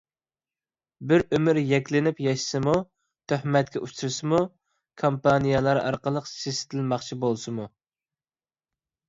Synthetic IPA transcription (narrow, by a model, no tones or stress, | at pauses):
bɪɾømyɾjɛkʲlɪnɪpjɑʃɪ̥sɨmu | t̪ʰøhmɛt̪̚kʲɛʔuʃt͡ʃt̪ʰuɾsɨmu | kʰompɑnijɑlˠɑɾʔɑ̰ɾqəlˠəqsisɪ̥t̪ʰɪlmɑχt͡ʃʰibolˠsɨmu